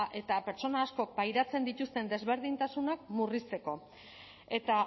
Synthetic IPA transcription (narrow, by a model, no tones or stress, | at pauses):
ʔe̞t̪ape̞ɾt͡so̞naːsko̞k̚bajɾat͡se̞nd̪it̪ust̪e̞nd̪e̞zβe̞ɾð̞int̪asunakmurist͡s̪e̞ko̞ | e̞t̪a